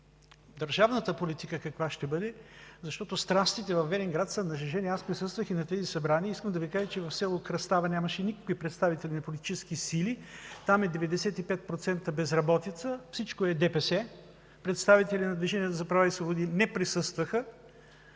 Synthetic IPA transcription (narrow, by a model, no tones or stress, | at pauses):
d̪əɾʒavnət̪əpolit̪ikəkɐkvaʃt̪ɛbɤd̪ɛzɐʃt̪ɔt̪ost̪ɾast̪it̪ɛvɐfvɛɾɛŋɡɾat̪sənɐʒɛʒɛniɛaspɾisɤst̪vəxinɐt̪ɛzisɐbɾaniəiskəmd̪ɐvikaʒət͡ʃɛvɐfsɛlˠokɾɐst̪avənʲamɐʃɛnikəkipɾɛt̪st̪avit̪ɛlʲinɐpolit̪i̥t͡ʃɛskisilit̪amɛd̪ɛvɛd̪ɛsɛt̪ipɛt̪̚pɾot̪sɛnt̪əbɛzɾɐbɔt̪it̪səfsit͡ʃkoɛd̪ɛpɛsɛ | pɾɛt̪st̪avit̪ɛlʲinɐd̪viʒɛniət̪əzɐpɾɐvaisvobod̪inɛpɾisɤst̪vəxə